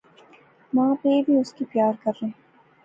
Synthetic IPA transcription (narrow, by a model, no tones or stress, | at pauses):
mãːpebʱiʊskipjaːɾkɐɾːe